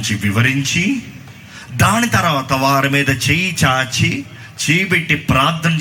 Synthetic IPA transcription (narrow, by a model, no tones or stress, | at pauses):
t͡ʃiʋiʋɐɾiɲt͡ʃi | d̪aːnit̪ɐɾɐʋaːt̪ɐʋaːɾimiːd̪ɐt͡ʃejit͡ʃaːt͡ʃi | t͡ʃeːjibeʈːipɾaːɾt̪ʰːɐm